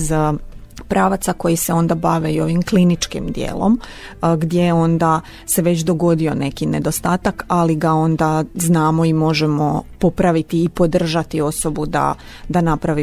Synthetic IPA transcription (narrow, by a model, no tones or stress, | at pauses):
z | pɾaʋat̪sako̞jise̞o̞nd̪abaʋe̞ijo̞ʋimklinit͡ʃkḭmd̪jḛːlˠo̰m | ɡd̪je̞jo̞nd̪a | se̞ʋe̞t͡ɕd̪o̞ɡo̞d̪io̞ne̞kine̞d̪o̞st̪aːt̪akaliɡao̞nd̪aznaːmo̞imo̞ʒemo̞po̞pɾaʋit̪iːpo̞d̪r̩ʒat̪io̞so̞bud̪a̰ | d̪anapɾaʋi